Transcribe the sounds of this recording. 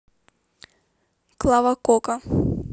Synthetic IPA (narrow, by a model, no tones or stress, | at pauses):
klˠavakɔka